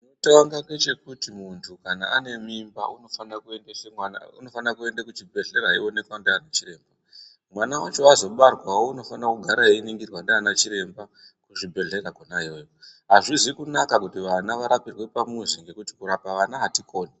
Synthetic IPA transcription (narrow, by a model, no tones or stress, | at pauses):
notawaŋɡaŋɡe̞t͡ʃe̞kutimuntʰukanaane̞mimba̰uno̞fanakuendeʃeana̰uno̞fanakue̞ndakut͡ʃibʱe̞ɮe̞ɾaɦiwone̞kwandeanat͡ʃire̞ːmba | mwanawat͡ʃoazo̞ɓarwawouno̞fanakuɡʱaɾaɦeiniŋɡirwandeanat͡ʃiɾe̞mba | kuʐibʱe̞ɮe̞rakonaɦiojoɦaʐizwikunakakutiʋanaʋaɾapirwe̞pamuziŋɡe̞kuti̥kuɾapaʋanaɦatikʰo̞ːne